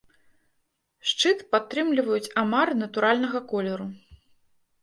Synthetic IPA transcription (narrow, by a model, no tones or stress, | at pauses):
ʂt͡ʂɨt̪pat̪ːɾɨmlʲivɐjut͡sʲamarnɐt̪uɾalʲnɐɣɐkɔlʲɛɾu